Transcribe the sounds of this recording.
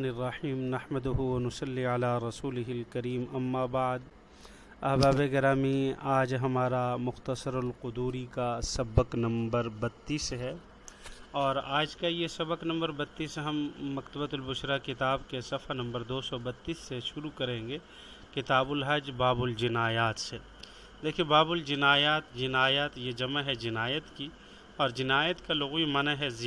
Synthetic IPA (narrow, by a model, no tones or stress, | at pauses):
nɪrːɐħiːmnɐhməd̪ʊɦuwɐnʊsɐlːiəlaːɾɐsuːlɪɦɪlkɐɾiːmɐmːaːbaːd̪ | ɐɦbaːbekɐɾaːmiaːd͡ʒɦɐmaːɾamʊxt̪əsəɾʊlqʊd̪uːɾikasɐbəqnɐ̃mbəɾbɐt̪ːiːsɦɛː | ɔːɾaːd͡ʒkajesɐbəknɐ̃mbəɾbɐt̪ːiːsɦɐmːɐkt̪əbət̪ʊlbʊʃɾakɪt̪aːbkesɐfanɐ̃mbəɾd̪oːsɔbɐt̪ːiːsːeʃʊɾukɐɾẽːŋɡeː | kɪt̪aːbʊlɦɐd͡ʒbaːbʊld͡ʒɪnaːjaːt̪se | d̪eːkʰiebaːbʊld͡ʒɪnaːjaːt̪d͡ʒɪnaːjat̪jed͡ʒɐmaɦɛd͡ʒɪnaːjət̪ki | ɔːɾd͡ʒɪnaːjət̪kalʊɣimɐnaɦɛz